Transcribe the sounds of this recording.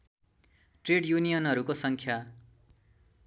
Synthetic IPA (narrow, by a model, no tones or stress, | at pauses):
ʈreɽjunijʌnʌɾukosʌŋkʰja